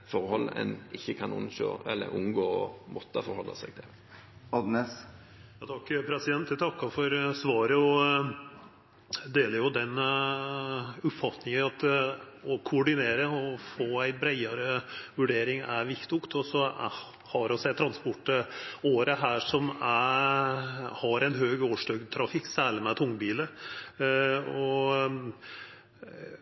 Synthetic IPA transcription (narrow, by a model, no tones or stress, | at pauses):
fɔɾhɔlːɛ̰nɪçːəkʰɑnʊ̰nɕo̰ːɛlːə̰ɾʊnɡoːɔmɔt̪ːəfɔɾhɔlːɑ̰sɛɡt̪ʰɪl | ɑd̪nɛs | jɑt̪ʰɑkːpʰɾɛsɪd̪ɛnt̪d̪ɛt̪ʰɑkːɑfɔɾsʋɑːɾəɔ | d̪eːləɾjʊd̪ɛn | ʉpfɑt̪nɪŋəɑt̪ɔkʰʊʊɖɪneːɾəɔfoːæɪbɾæɪɑɾəʋʉɖeːɾɪŋæ̰ɾʋɪkt̪ʊkt̪ɔsɔ | hɑɾɔsæɪt̪ʰɾɑnspɔʈːəoːɾəɦæːʂɔmæ | hɑɾæɪnɦøːɡoːʂɖœɡd̪t̪ʰɾɑfɪkːsæːləmɛt̪ʰʊŋːbiːlə | ɔ